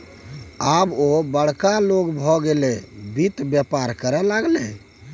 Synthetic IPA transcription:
abobəɽ̤kaloɡbʱɔɡelebit̪bjɛpaɾkəɾɛlaɡle

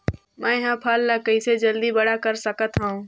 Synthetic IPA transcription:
mɛ̃ːɦãːpʰalːakɐised͡ʒɐld̪ibɐɽakəɾsəkət̪ɦaũː

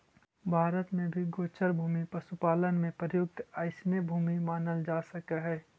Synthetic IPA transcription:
bʱaːɾət̪mẽbʱiɡoːt͡ʃəɾbʱuːmipɐsupaːlənmẽpəjʊɡ̚t̪aːɪsnebʱuːmimaːnəld͡ʒaːsɐkaɦɛː

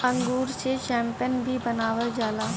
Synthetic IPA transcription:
ɐ̃ŋɡuːɾset͡ʃɛ̃ːmpɪjənbʱibɐnaːʋəld͡ʒaːlaː

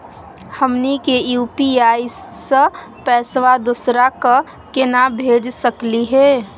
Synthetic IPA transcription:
həmnikejuːpiaːisə | pɛːsʋad̪ʊsɾaka | kɪnabʱeːd͡ʒsəkliɦɛː

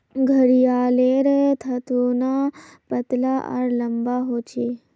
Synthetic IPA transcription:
ɡʱəɾijaːleːɾet̪ʰɐt̪oːnapɐt̪laʔa̰ɾlɐmbaɦoːt͡ʃe

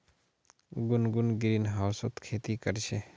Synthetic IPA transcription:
ɡʊnɡunɡɾinɦawsot̪kʰeːt̪ikəɾt͡ʃʰe

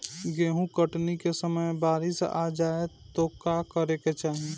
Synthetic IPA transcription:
ɡeːɦũkəʈnikesəməjbaːɾɪsa̰d͡ʒaːet̪okakəɾeket͡ʃaːɦie

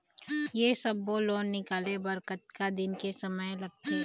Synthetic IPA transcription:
jesɐbːoːloːnːɪkaːlebɐɾkət̪̚kad̪ɪnkesɐməjlɐɡ̚t̪e

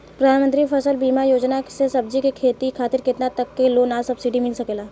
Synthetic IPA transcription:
pɾɐd̪ʱaːnmənt̪ɾipʰəsəlbiːmajoːd͡ʒnasesɐb̚d͡ʒikekʰeːt̪ikʰaːt̪ɪɾkɪt̪nat̪ɐkːeloːnaːsɐbsiɖimɪlsɐkeːlaː

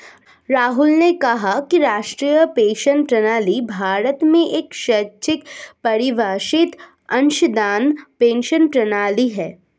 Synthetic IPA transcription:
ɾaːɦʊlnekɐɦakiɾaːʃʈɾiːjəpeːʃənpɾɐnaːlibʱaːɾət̪mẽʔeːkʃɐt͡ʃɪkpɐɾɪʋaːʃɪt̪ | ɐ̃nʃd̪aːnpẽːnʃənpɾɐnaːliɦɛː

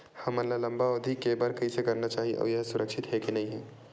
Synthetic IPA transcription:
hɐmɐlalɐ̃mbaod̪ʱikːebaɾkɐĩsekɐɾnat͡ʃaːɦiḛʔɔ̰ːʋjɐɦsʊɾəkʃɪt̪ɦɛkenɐɦĩɦɛː

